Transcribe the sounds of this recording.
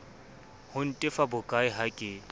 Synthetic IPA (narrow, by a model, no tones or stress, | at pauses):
hʊn̩tʼɪfabʊkʼaɪɦakʼɪ